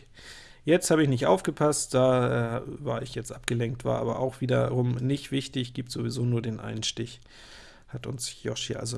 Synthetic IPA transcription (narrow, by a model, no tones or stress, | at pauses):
jɛt͡sthaːbəɪçnɪçtʔa̰ʊfɡ̥əpʰastd̥aːʔɛava̰ːɐɪçjɛt͡stʔap̚ɡ̥əlɛŋktv̥a̰ːɐʔa̰ːbɐ̰ʔa̰ʊxv̥iːdɐ̰ʁʊmnɪçtv̥ɪçtɪçɡ̥iːp̚tz̥ovizoːnuːɐdeːnʔa̰ɪnənʃtɪç | hatʊ̰nsjɔ̰ʃḭʔa̰lzo